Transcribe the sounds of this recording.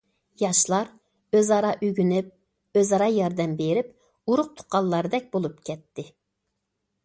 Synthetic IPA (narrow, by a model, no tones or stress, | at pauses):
jɑʃlˠɑɾ | øzɑɾɑʔyɡʲynyp̚ | øzɑɾɑjɑɾd̪ɛmbeɾɪp | uɾʊq̚t̪ʰʊ̥qʰːɑlˠːɑɾɨd̪ɛk̚ʲbolˠup̚kʲʰɛt̪ʰːɪ